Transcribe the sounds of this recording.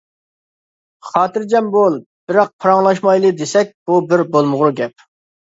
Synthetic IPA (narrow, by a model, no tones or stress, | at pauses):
χɑːt̪ɨɾd͡ʒɛmbolˠ | b̥ɪɾɑq̚pʰɾɑŋlˠɑʃmɑjlˠɨd̪esɛk̚ʲb̥ubɪɾbolˠmʊʁɾuɡʲɛp̚